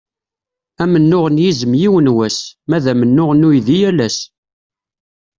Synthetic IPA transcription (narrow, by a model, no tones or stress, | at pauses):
æmənːʊʁənjizəmjiwənwæsmæðæmənːʊʁnujðijælæs